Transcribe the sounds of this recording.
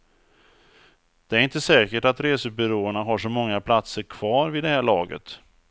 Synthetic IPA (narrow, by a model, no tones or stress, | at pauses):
d̪̥ɛæɾɪnt̪əsɛːkəʈat̪ɾeːsəbʏɾoːəɳaɦaʂɔmɔŋːapʰlat̪səɾkʰv̥ɑːɾvɪd̪ɛhæːɭɑːɡə̰t̪